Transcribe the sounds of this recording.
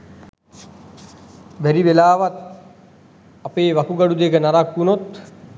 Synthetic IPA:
ʋæɾiʋelaːʋat̪ | apeːʋakuɡaɖud̪ekənaɾakːunot̪

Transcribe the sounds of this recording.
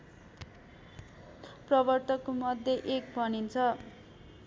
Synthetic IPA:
prʌbʌrt̪ʌkomʌd̪ʱjeʔek̚bʱʌnint͡sʰʌ

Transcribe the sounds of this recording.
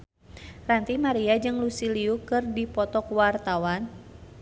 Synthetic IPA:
rant̪imaɾiad͡ʒɨŋlusiliukɨrdipɔt̪ɔkwart̪awan

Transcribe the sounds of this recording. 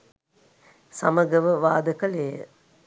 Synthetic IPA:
saməɡəʋəʋaːd̪əkəleːə̰

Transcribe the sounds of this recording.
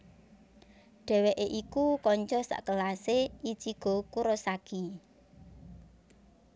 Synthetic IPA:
ɖ̥ɛ̤weʔeʔikukɔɲt͡ʃɔsa̰ʔkəlasei̥t͡ʃiɡ̥o̤kuɾɔsaɡ̥i

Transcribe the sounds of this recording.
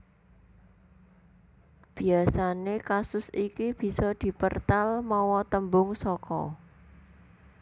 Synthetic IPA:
b̥i̤asanekasʊsikib̥i̤sɔd̪̥i̤pərt̪almɔwɔt̪əmbʊŋsɔkɔ̰

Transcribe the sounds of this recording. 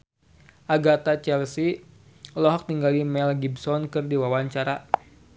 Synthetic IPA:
ʔaɡat̪at͡ʃɛlsi | lɔɦɔk̚t̪iŋɡalimɛlɡibsɔnkɨrdiwawaɲt͡ʃaɾa

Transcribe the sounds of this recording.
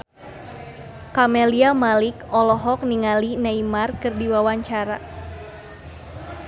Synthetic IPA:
kamɛliamalikɔlɔɦɔk̚niŋalinaimarkɨrdiwawaɲt͡ʃaɾa

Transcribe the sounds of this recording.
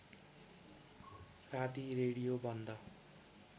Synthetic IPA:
rat̪iɾeɽijobʱʌnd̪ʌ

